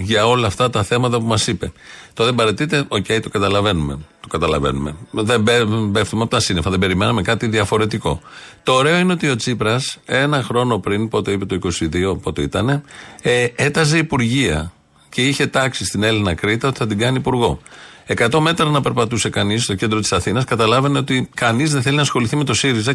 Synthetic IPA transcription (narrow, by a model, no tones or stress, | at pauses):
ʝɐo̞lɐːft̪ɐt̪ɐθe̞mɐt̪ɐpumɐsipe̞̰t̪o̞ðe̞bɐɾet̪it̪e̞ʔo̞ce̞jt̪okɐt̪ɐlɐve̞nume̞̰t̪o̞kɐt̪ɐlɐ̰ve̞̰nume̞̰ðebebeft̪umeɐpot̪ɐsinefɐðebe̞ɾimenɐme̞kɐt̪iðiɐfo̞ɾe̞t̪iko̞̰t̪o̞ːɾe̞o̞ineo̞t̪io̞t͡sipɾɐse̞nɐxɾo̞no̞pɾinpo̞t̪e̞ipe̞t̪oiko̞siðio̞po̞t̪oit̪ɐne̞ | et̪ɐs̬e̞ipuɾʝiɐ̰ | ce̞içe̞t̪ɐksist̪ine̞linɐkɾit̪ɐot̪iθɐt̪iɡɐniːpuɾɣo̞ | e̞kɐt̪o̞me̞t̪ɾɐnɐpe̞ɾpɐt̪use̞kɐnist̪o̞cnd̪ɾot̪i̥sɐθinɐskɐt̪ɐlɐveneo̞t̪ikɐnizðenθelinɐsxo̞liθime̞t̪o̞siɾizɐ